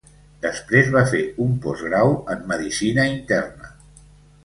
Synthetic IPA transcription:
d̪əspɾezβafeumpɔzɣɾawəmːəðisinəint̪ɛrnə

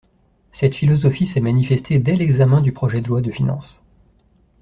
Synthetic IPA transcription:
sɛt̪filɔzɔfisɛmanifɛst̪ʰed̪ɛlɛɡzamɛ̃d̪ypχɔʒɛd̪əlwad̪əfinɑ̰̃s

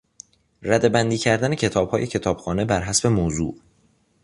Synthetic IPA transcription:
ræd̪e̞bænd̪iːcʰæɾd̪ænecʰe̞t̪ʰɒːb̥hɒːje̞cʰe̞t̪ʰɒːb̥xɒːne̞bæɾɦæsbe̞moːzṵːʔ

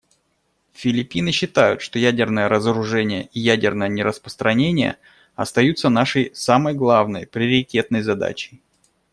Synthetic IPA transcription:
fʲɪlʲɪpʲinɨɕːɪt̪ajʊ̰t̪ʂt̪ojædʲɪrnəjəɾəzəɾʊʐɛnʲɪjə̰ʔijædʲɪrnəjənʲɪɾəspɾəst̪ɾɐnʲenʲɪjə̰ | ɐ̰st̪ɐjut̪sənaʂəjsaməjɡlˠavnəjpɾʲɪəɾʲɪtʲe̞t̪̚nəjzɐd̪a̰t͡ɕɪj

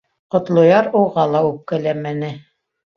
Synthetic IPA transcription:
qŏt̪lˠŏjɑɾuʁɑlˠɑʉp̚kælæmænɘ

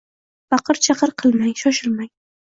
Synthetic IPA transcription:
fɑqʰɨɾt͡ʃʰɑqʰɨɾqʰɨlˠmajʃɒʃɪɾmaj

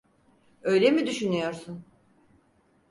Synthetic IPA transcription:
ø̞jlʲemid̪yʃynyjo̞ɾsun

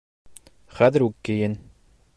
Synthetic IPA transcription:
χæðɘ̆ɾʉkːɘ̆jɘn

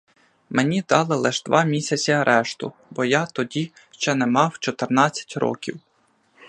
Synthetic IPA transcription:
menʲid̪ɑlˠɪlˠɪʒd̪ʋʔɑmʲisʲɐt͡sʲiɐɾʔɛʃt̪ʊ̰ | bɔjat̪ɔdʲi | ʃt͡ʃɛnɛmɑwt͡ʃɔt̪ernɑt͡sʲːɐ̥tʲɾɔ̰kʲiw

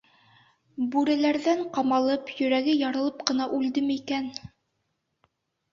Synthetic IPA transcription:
bʉɾælæɾðæɴqɑmɑlˠɤpjɵ̆ɾæɡɘjɑɾɤ̆lˠɤp̚qɤ̆nɑʔʉld̪ɘmikæn

